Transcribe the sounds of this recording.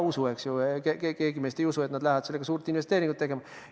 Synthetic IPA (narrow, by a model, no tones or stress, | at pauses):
usue̞ksjukekekeːɡ̥ime̞ːst̪ejusue̞t̪nɑd̪læhæɑd̪se̞lːeɡɑsuːɾt̪inve̞st̪eːɾiŋɡut̪ːe̞ɡe̞mɑ